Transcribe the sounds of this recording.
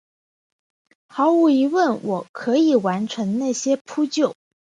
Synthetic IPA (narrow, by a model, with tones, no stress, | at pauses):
xɑ˧˥ʊu˧˥i˧˥wə˥˩nwɔ˨˩kʰɤ˧˥i˨˩wa˧˥nʈ͡ʂʰɤ˧˥ŋna˥˩ɕjɛ˥pʰu˥t͡ɕjo˥˩ʊ